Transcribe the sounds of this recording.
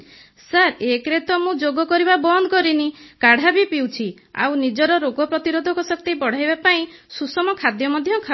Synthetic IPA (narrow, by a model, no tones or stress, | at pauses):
saɾekɾet̪ɔmũd͡ʒoɡɔkɔɾibabɔnd̪ɔkɔɾinikaɽ̤abipiwt͡ʃʰi | a̰wnid͡ʒɔɾɔɾoɡɔpɾɔt̪iɾod̪ʱɔkɔsɔkt̪ibɔɽ̤ajbapaĩsusɔmɔkʰad̪jɔmɔd̪ʱjɔkʰa